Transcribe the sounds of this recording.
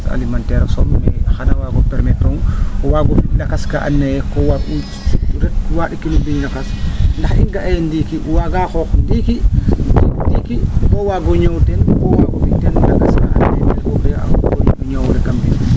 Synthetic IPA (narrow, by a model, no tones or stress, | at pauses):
sa̰limantɛɾasɔmːɛxanawaɡɔpɛɾmɛtɔŋɔwaɡɔbidakaskaʔa̰nːajɛkɔwau | utuɾɛt̚waɗikinubiɲnakasndaxiŋɡaʔɛjɛndikiwaɡakɔndikididikibɔwaɡɔɲɔwtɛnkɔwaɡɔbitːɛndakaskaʔananɛnkɔɡɛa̰ɡɔjimɛɲawɾɛkambin